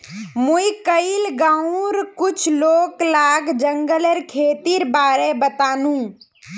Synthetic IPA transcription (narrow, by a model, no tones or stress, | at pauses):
muikəilɡãũɾkut͡ʃʰloklaɡd͡ʒəŋɡəleɾkʰet̪iɾbaːɾebət̪aːnũ